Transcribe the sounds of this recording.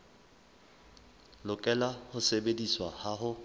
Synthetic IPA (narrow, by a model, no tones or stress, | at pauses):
lʊkʼɛlahʊsebediswahaɦʊ